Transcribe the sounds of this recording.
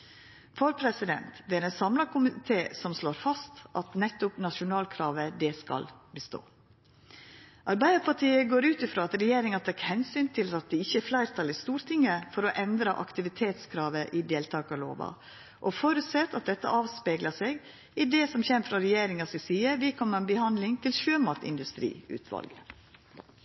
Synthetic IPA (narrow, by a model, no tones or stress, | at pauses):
fɔɾpʰɾɛsɪd̪ɛ̰nt̪d̪ɛæɾɛnsɑmlɑkʰʊmɪt̪ʰeːsɔmsloːɾfɑst̪ʔɑt̪nɛt̪ːʊpnɑʂʊnɑːlkʰɾɑːʋəd̪ɛskɑ̰lbəst̪o̰ː | ʔɑɾbæɪd̪əpʰɑʈ̪ʰiːəɡoːɾʉːt̪ɪfɾoːɑt̪ɾɛjeːɾɪŋɑt̪ʰɑːkhɛnsyːnt̪ʰɪlɑt̪̚d̪ɛɪçːəæflæɪɾt̪ʰɑlæst̪uːɾt̪ʰɪŋːəfɔɾɔʔɛnd̪ɾɑʔɑkt̪ɪʋɪt̪ʰeːt̪skʰɾɑːʋəʔɪd̪eːlt̪ʰɑːkɑlo̰ːʋɑ̰ | ʔɔfɔɾʉt̪sɛt̪ːɑt̪̚d̪ɛt̪ːə̰ʔɑːʋspeːɡləseːɡ | ɪd̪ɛːsɔmçɛmfɾɑɾɛjeːɾɪŋɑsɪsiːəʋɪkʰɔmːəɾɛnbəhɑnd̪lɪŋt̪ʰɪlʃøːmɑt̪ɪ̰nd̪ʉst̪ɾḭːʉ̰ːt̪ʰʋɑ̰lɡə